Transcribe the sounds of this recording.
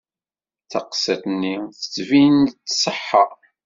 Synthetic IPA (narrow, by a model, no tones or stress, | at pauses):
t͡sɑqsæt̪nːiθə̥t͡sːvint͡sːsˤəħːɑ